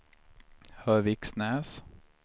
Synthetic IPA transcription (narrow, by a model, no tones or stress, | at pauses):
hœːʋɪksnɛːs